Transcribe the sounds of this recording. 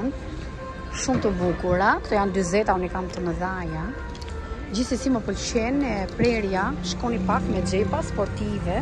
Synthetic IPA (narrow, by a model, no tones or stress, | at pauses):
nt̪ | ʃumt̪əbukuɾakt̪ɔjand̪yzɛt̪aunikamt̪əməðaja | d͡ʑiθsɛsiməpəlʃɛnɛpɾɛɾjaʃkɔnipakmɛd͡ʒɛpaspɔɾt̪ivɛ